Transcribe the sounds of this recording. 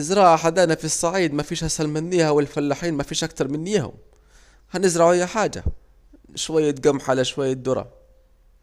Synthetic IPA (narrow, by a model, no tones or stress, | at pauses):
ʔɪzɾˤɑːʕaħad̪aːnafisˤːɑʕiːd̪mafiːʃhasalmɪnːiːhawɪlfalːaħiːnmafiːʃʔak̚t̪ɑɾˤmɪnːɪjahʊ̰m | hanɪzɾˤɑʕʊɪjːaħaːd͡ʒa̰ | ʃwajːaɡamħalaʃwajːad̪ʊɾˤɑ̰